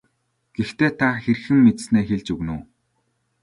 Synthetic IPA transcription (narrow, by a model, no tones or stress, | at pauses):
ɡ̥ext̪eːt̪ʰaxeɾ̆xɘ̆mːet̪sneːxeɮt͡ɕɵɣnuː